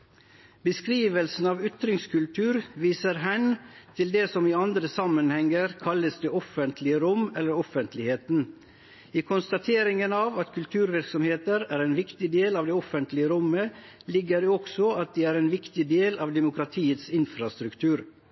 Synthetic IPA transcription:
bəskɾiːʋəlsn̩ɑːʋʏt̪ɾɪŋskʉlt̪ʰʉːɾʋiːsəɾɦænt̪ʰɪld̪eːsɔmiːɑnd̪ɾəsɑmənhɛŋəɾkʰɑləsd̪eːɔfənt̪ʰlɪəɾʊmɛlːəɾɔfənt̪ʰlɪheːt̪n | iːkʰɔnst̪ɑt̪ʰeːɾɪŋənɑːʋɑt̪kʰʉlt̪ʰʉːɾʋɪɾksɔmheːt̪əɾæːɾɛːnʋɪkt̪ɪd̪eːlɑːʋd̪ɛːɔfənt̪lɪəɾʊməlɪɡːəɾeɔksɔɑt̪̚d̪iːæːɾɛːnʋɪkt̪ɪd̪eːlɑːʋd̪ɛmʊkɾɑt̪ʰiːət̪sɪnfɾɑst̪ɾʉkt̪ʰʉːɾ

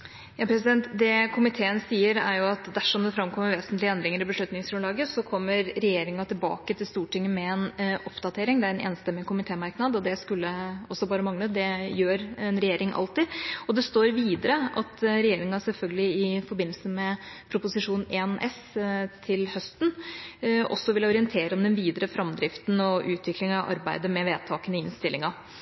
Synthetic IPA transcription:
jɑːpʰɾɛsɪd̪ɛnt̪d̪ɛkʰʊmɪt̪ʰeːənsiːəɾæɾjʊɑt̪d̪æʂɔmd̪ɛfɾɑmkʰɔmːəɾʋeːsnt̪lɪɛnd̪ɾɪŋəɾɪbəʂɭʉt̪nɪŋsfʉnlɑːɡəsɔkʰɔmːəɾɾɛjeːɾɪŋɑt̪ʰɪlbɑ̰ːkət̪ʰɪlst̪uːʈɪŋːəmɛɛnɔpd̪ɑt̪ʰeːɾɪŋd̪ɛæɾɛnʔḛːnst̪ɛmːɪkʰʊmɪt̪ʰeːmɑɾknɑd̪ɔd̪ɛskʉlːəɔsːɔbɑːɾəmɑŋnət̪̚d̪ɛjøːɾɛnɾɛjeːɾɪŋʔɑ̰lt̪ɪɔd̪ɛst̪oːɾʋiːd̪əɾəʔɑt̪ɾɛjeːɾɪŋɑsɛlfœlɡəlɪɪfɔɾbɪnːl̩səmɛpʰɾʊpʊsɪʂuːneːnʔɛs | t̪ʰɪlhœst̪n̩ | ɔ̰sːɔʋɪlɔɾɪənt̪ʰeːɾɔmd̪ɛnʋiːd̪əɾəfɾɑmd̪ɾɪft̪n̩ɔʔʉːt̪ʰʋɪklɪŋɑʋʔɑ̰ɾbæɪd̪əmɛʋeːd̪̚t̪ʰɑːkənɪɪnst̪ɪlːɪŋɑ

